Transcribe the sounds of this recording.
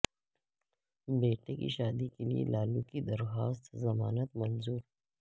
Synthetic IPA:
beːʈekḭʃaːd̪ikelḭḛlʔaːlũkid̪ɐɾxaːst̪zɐmaːnət̪mɐnzuːɾ

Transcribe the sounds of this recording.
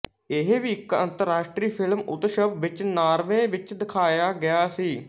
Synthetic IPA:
ɪɦʋiːɪkə̰nt̪əɾːaːʃʈɾiːpʰɪlmʊ̰t̪ʃəbʋɪt͡ʃnaːɾʋẽːʋɪt͡ʃd̪ɪkʰaːjaːɡɪjaːsiː

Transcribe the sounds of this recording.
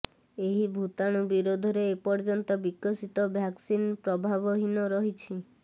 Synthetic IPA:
eɦibʱut̪aɽ̃ubiɾod̪ʱɔɾeːpɔɾd͡ʒɔnt̪ɔbikɔsit̪ɔbʱjaksinpɾɔbʱaβɔɦinɔɾɔɦit͡ʃʰi

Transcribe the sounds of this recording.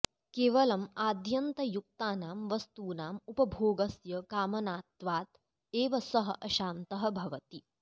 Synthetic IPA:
keːʋɐlɐmaːd̪ʱjɐnt̪ɐjuk̚t̪aːnaːmʋɐst̪uːnaːmupɐbʱoːɡɐsjɐkaːmɐnaːt̪ʋaːt̪ | eːʋɐsɐɦɐ̰ʔɐʃaːnt̪ɐɦɐbʱɐʋɐt̪i

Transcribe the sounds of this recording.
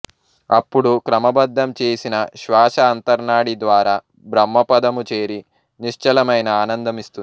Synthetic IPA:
ɐpːuɽukɾɐmɐbɐd̪ʱːɐmt͡ʃe̞ːsinɐʃʋaːʃɐːnt̪ɐɾnaːɽid̪ʋaːɾaː | bɾɐmːɐpɐd̪ɐmut͡ʃe̞ːɾi | niʂt͡ʃɐlɐmɐjnɐaːnɐnd̪ɐmist̪un

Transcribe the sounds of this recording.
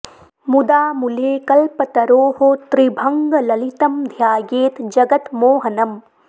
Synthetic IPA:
mud̪aːmuleːkɐlpɐt̪ɐɾoːhot̪ɾibʱɐŋɡɐlɐlit̪ɐmd̪ʱjaːɡeːt̪d͡ʒɐɡɐt̪moːɦɐnɐm

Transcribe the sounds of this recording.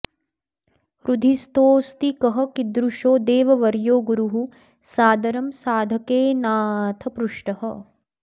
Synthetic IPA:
ɾud̪ʱist̪oːst̪ikɐɦɐ̆kid̪ɾuʃoːd̪eːʋɐʋɐɾjoːɡuɾuɦu | saːd̪ɐɾɐmsaːd̪ʱɐkeːnaːt̪ʰɐpɾuʂʈɐhɐ̰

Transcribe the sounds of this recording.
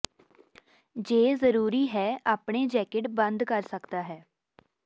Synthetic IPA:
d͡ʒeːzəɾuːɾiːɦɛːaːpɳeːd͡ʒɛːkɪʈbə̃nd̪kəɾsəkd̪aːɦɛː

